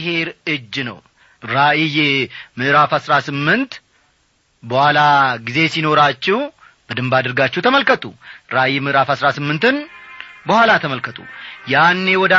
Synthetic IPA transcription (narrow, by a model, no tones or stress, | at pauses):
he̞ɾɨd͡ʒːnə̰w | ɾaʔijɛmɨʔɾafasɾasɨmːɨnt̪ | bəhʷwalaɡize̞sino̞ɾat͡ʃːɪw | b̥əd̪ɨmbad̪əɾɡat͡ʃːɛhwt̪ʰəməlkət̪ʼṵɾaʔijmɨʔɾafhasɾasɨmːɨnt̪ɨnbəhʷwalat̪ʰəməlkʰət̪ʼṵjanːe̞wɔd̪